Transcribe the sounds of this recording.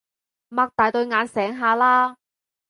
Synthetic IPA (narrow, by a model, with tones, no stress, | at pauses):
maː˧k̚t̪aː˨jt̪ɵ˧ɥŋaː˨˧nsɛː˨˥ŋɦaː˧laː˥